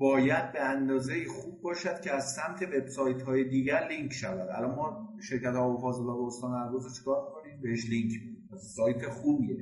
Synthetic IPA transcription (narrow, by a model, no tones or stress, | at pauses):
bɒːjæd̪̚beænd̪ɒːzeiːxuːb̚ːɒːʃæd̪̥cʰeæzsæmt̪ʰe̞ve̞b̥sɒːjt̪ʰɦɒːjed̪iːɟæɾliŋkʰʃævæd̪æ̰lɒnmɒːʃe̞ɾcæt̪ɒːvofɒːzelɒːdeost̪ɒːnæɾɡozet͡ʃʰe̥kʰɒːɾmikʰoniːmbe̞heʃliŋkʰæssɒːjt̪ʰexuːbiːe